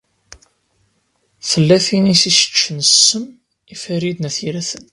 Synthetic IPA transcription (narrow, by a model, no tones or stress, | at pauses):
θəlːæθinisisə̥t͡ʃːənəsːəm | ifæɾid̪næθiɾæθən